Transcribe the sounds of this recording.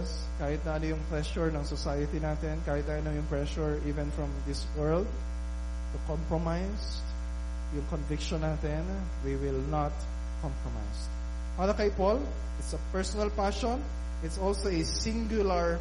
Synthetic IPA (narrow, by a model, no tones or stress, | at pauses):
s | kaːhɪt̪̚nɐʔɐnojʊŋpɹɛʃʊɹnɐŋsɔsajɐt̪inaːt̪ɛnkaːhɪt̪̚nɐʔɪnɐŋjʊŋpɹɛʃʊɹiːvɛ̃nfɹɐ̃md̪ɪswɛɹld̪̚ | t̪ʊkɔ̃mpɹɔmajs | jʊŋkonvɪkʃɔ̃nːaːt̪ɛn | wiwɪlnɐt̪ | kʰɔ̃mpɹɔma̰js | paːɾɐkɐjpol | ɪt̪sɐpɛɹsɔnɐlpaʃɔ̃n | ɪt̪sɔlsoɛsɪ̃ŋɡjʊlɐɹ